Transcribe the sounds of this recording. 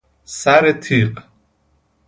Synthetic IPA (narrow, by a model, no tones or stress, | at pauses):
saɾɛt̪ʰiqʼ